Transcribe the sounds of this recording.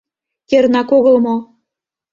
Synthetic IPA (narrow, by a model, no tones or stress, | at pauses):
jĕɾnɑkoɣɤ̆lmo